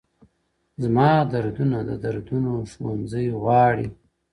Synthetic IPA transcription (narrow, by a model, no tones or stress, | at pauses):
zmɑːd̪aɾd̪unad̪əd̪aɾd̪unoʃwanzəjɣwɑːɽi